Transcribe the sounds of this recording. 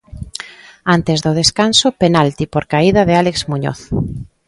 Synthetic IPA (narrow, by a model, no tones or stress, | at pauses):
ant̪ezðoð̞eskansopenalt̪ipoɾkaiðaðealekzmuɲo̰θ